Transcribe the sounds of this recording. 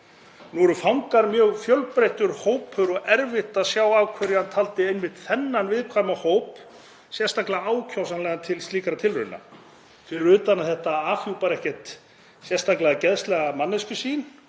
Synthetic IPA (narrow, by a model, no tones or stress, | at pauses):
nuɛɾʏfawŋkaɾmjœːɣfjœlpɾejht̪ʏɾhoːwpʰʏɾɔɣɛɾvɪht̪asjaːwawkʰvɛɾjhant̪ʰalt̪ɪejnmɪht̪θɛnːanvɪðkʰvajmahoːwp | sjɛ̥st̪aklaaaːwcʰawsanlɛɣant̪ʰɪlst̪liːkaɾat̪ʰɪlɾʏɾna̰ | fɪɾɪɾʏːt̪anaθɛht̪aaːfjupaɾɛhcɛht̪ | sjɛst̪aklaðcɛðst̪lɛɣamanːɪscʏsiːn